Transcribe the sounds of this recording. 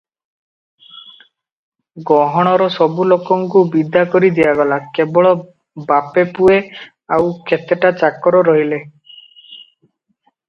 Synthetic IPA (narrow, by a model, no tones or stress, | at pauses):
ɡɔɦɔɽ̃ɔɾɔsɔbulokɔŋkubid̪ʱakɔɾid̪ijaɡɔlakebɔɭɔ | bapepue | awkʰet̪eʈat͡ʃakɔɾɔɾɔɦile